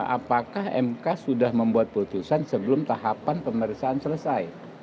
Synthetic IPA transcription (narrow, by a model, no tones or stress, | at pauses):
a̰pakahɛ̰mkasudahməmbuat̪̚put̪usansəbəlʊmt̪aɦapanpəməɾisaːnsələsaj